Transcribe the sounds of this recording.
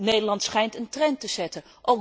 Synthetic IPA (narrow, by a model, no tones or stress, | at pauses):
nejdəlɑntsχɛjntəntrɛntəz̥ɛtə | ʔowk